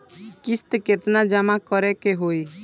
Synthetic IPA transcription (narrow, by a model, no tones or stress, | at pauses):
kɪst̪ket̪nad͡ʒəmakəɾɛkeɦoi